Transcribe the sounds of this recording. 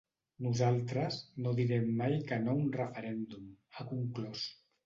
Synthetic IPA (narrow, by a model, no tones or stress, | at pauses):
nuzalˠt̪ɾəznoðiɾɛmːajkənounrəfəɾɛnd̪umakuŋklɔs